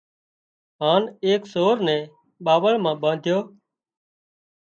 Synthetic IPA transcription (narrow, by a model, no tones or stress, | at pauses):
ɦaːneːksoːɾnɛ̃ː | ɓaːʋəɭmãːɓãːnd̪ʱjoː